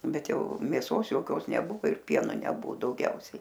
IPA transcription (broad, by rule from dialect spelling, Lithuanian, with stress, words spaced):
ˈbʲɛt ˈjɛʊ mʲeːˈsoːs joːˈkʲoːs nʲɛˈbʊʋoː ɪr ˈpʲiɛnoː ˈnʲæːbʊ dɐʊˈɡʲɛʊsʲɛɪ